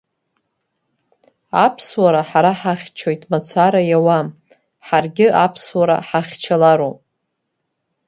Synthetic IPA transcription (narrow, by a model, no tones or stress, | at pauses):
apʰswaɾaħaɾaħaχʲt͡ʃʰojtʼmat͡sʰaɾajawam | ħarɡʲɪʔapʰswaɾa̰ħaχʲt͡ʃʰalaɾo